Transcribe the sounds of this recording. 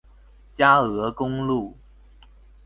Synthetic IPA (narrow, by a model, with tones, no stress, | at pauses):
t͡ɕja˥ɤ˧˥kʊ˦ŋlu˥˩